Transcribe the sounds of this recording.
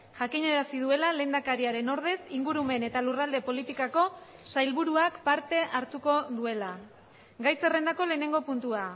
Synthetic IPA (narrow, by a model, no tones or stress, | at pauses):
ʝakiɲe̞ɾasið̞ue̞lale̞ːnd̪akaɾiaɾe̞no̞ɾðe̞siŋɡuɾume̞ne̞t̪alurald̪e̞po̞lit̪ikako̞ | sajlβuɾuakpaɾt̪e̞ʔaɾt̪uko̞ðue̞la | ɡajse̞re̞nd̪ako̞le̞ːne̞ŋɡo̞punt̪ua